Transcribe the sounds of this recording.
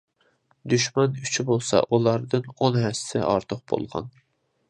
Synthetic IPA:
d̪yʃmɑnyt͡ʃʰybolˠsɑ̰ʔulˠɑɾd̪ɨnonɦɛssɪ̰ʔɑɾt̪ʰʊq̚b̥o̰lˠʁɑ̰n

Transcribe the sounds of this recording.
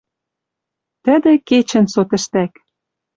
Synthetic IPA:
t̪ə̆d̪ĕket͡ɕɘ̆nsot̪ə̆ʃt̪æk

